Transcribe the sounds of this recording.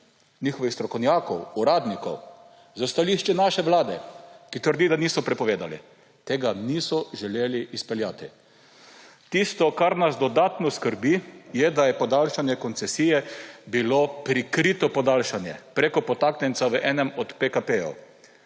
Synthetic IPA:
niːxɔʋixst̪ɾɔkɔwnjaːkɔwuɾaːd̪nikɔw | zast̪aliʃt͡ʃɛnaʃɛʋlaːd̪ɛkit̪əɾd̪id̪anisɔpɾɛpɔʋeːd̪alḭ | t̪eːɡaniːsɔʒɛleːliʔːspɛljaːt̪i | t̪ist̪ɔkaɾnasd̪ɔd̪aːt̪nɔskəɾbijɛd̪ajɛpɔd̪alʃanjɛkɔnt̪sɛsijɛbilopɾikɾit̪ɔpɔd̪alʃanjɛ̰pɾeːkɔpɔt̪aːknɛnt̪saʋəʔɛːnɛmɔt̪pekapejɔ̰

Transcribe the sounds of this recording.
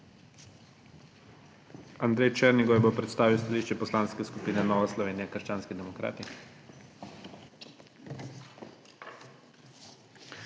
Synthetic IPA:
and̪ɾejt͡ʃɛɾniɡɔjbopɾɛt̪st̪aːʋiwst̪aliːʃt͡ʃɛpɔslaːnskɛskupiːnɛnɔːʋaslɔʋeːnijɛkəɾʃt͡ʃaːnskid̪ɛmɔkɾa̰ːt̪i

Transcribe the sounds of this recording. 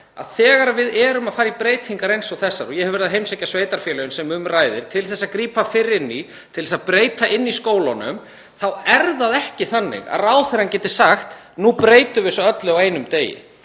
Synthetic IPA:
a̰ðθɛːɣaɾavɪðɛːɾʏmaðfaːɾɾipɾeːjt̪hiŋkaɾejnsowθɛsːaɾɔɣjɛhɛvɛɾðaɦejmsecːasveːjt̪aɾ̥fjɛːlɛjʏnsɛmʏmraːjðɪɾ̥t̪ʰɪlθɛsːakɾiːpafɪɾɪnːi | t̪ʰɪlsaðpɾeːjt̪aʔɪnːiskoːwlanʏ̰m | θawɛɾðaðɛhcɪθanːɪ̰ɣa̰ðraːwθeɾancɛt̪ɪ̥saxt̪ | nupɾeːjt̪ʏvɪsɔœt̪lɪawejnʏmt̪eːjɪ̰

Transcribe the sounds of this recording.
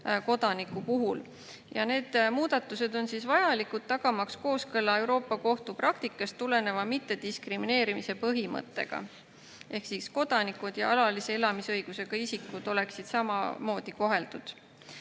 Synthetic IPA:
ko̞d̪̥ɑnikupuɦul | jɑ̰ne̞ːd̪̥muːd̪̥ɑt̪ːˑused̪̥o̞nsisvɑjɑlikud̪̚t̪ːɑɡ̥ɑmɑksko̞ːskɤlːɑe̞wɾo̞ːpːˑɑko̞ht̪uprɑkt̪ikːˑɑst̪ːule̞ne̞vɑmit̪ːe̞d̪̥iskrimine̞ːɾimise̞pɤɦimɤ̰t̪ːˑe̞̰ɡ̥ɑ̰ | ʔe̞hksisko̞d̪̥ɑnikud̪̥jɑɑlɑlise̞elɑmisɤjɡ̥use̞ɡ̥ɑisikːud̪̥o̞le̞ksid̪̥sɑmɑ̰mo̞ːd̪̥iko̞ɦe̞ld̪̥ud̪̥

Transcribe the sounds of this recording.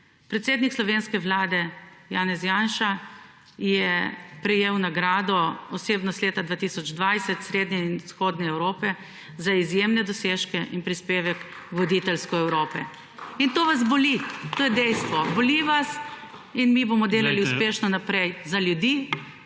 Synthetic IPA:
pɾɛt̪seːd̪nikslɔʋenskɛʋlaːd̪ɛjaːnɛzjanʃa | jɛpɾɛjeːwnaɡɾaːd̪ɔɔseːbnɔst̪leːt̪ad̪ʋaːt̪isɔd͡ʒd̪ʋajsɛt̪sɾeːd̪ɲɛinsxoːd̪nɛɛwɾoːpɛ | zaizjemnɛd̪ɔseːʃkɛʔinpɾispeːʋɛk | ʋɔd̪it̪ɛlskɔɛwɾoːpɛ | int̪oːʋazbɔlit̪oːjɛd̪ɛjst̪ʋɔbɔliʋas | inmibomɔd̪eːlaliuspeːʃnɔnapɾɛjzaljud̪iː

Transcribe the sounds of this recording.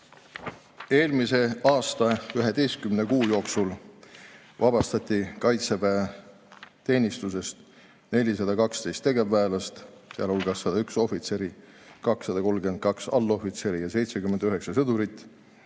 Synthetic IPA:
e̞ːlmise̞ɑːst̪ɑyɦe̞d̪e̞jst̪̚kymne̞kuːjo̞ːksul | vɑbɑst̪ɑt̪ʲˑːikɑjt̪sepæ | t̪e̞ːnʲist̪us̬e̞st̪ | ne̞lʲis̬ɑd̪ɑkɑkst̪e̞jst̪ːe̞ɡe̞vːæːlɑst̪ | seɑ̰lulɡ̥ɑsːɑd̪ɑykso̞fit̪se̞ɾi | kɑksːɑd̪ɑko̞lɡe̞nd̪̚kɑksɑ̰lːo̞fit̪se̞ɾijɑse̞jt̪se̞kymend̪yɦe̞ksɑsɤd̪uɾit̪ːˑ

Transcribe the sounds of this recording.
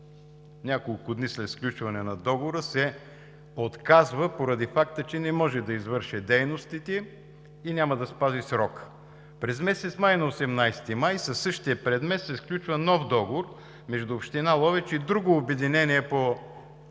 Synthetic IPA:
nʲakolˠkʊd̪nislɛt̪sklʲut͡ʃvɐnɛnɐd̪ɔɡooɾəsɛ | ot̪kazvəpoɾɐd̪ifak̚t̪ət͡ʃɛnɛmɔʒɛd̪ɐizvɤɾʃɛd̪ɛjnost̪it̪ɛ | inʲamɐd̪ɐspazisɾɔk | pɾɛzmɛsɛt̪smajnɐosɛmnajst̪imajsɐsɤʃt̪iəpɾɛd̪mɛt̪sɛsklʲut͡ʃvənɔfd̪ɔɡovoɾ | mɛʒd̪uːpʃt̪inalˠɔvɛt͡ʃid̪ɾuɡoːbɛd̪inɛniɛpo

